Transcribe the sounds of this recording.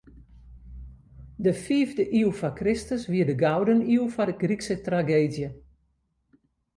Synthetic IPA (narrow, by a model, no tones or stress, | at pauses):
dəfiːvdəʔiwfakrɪstəsʋiədəɡawdəniwfadəɡriksətraɡeːdjə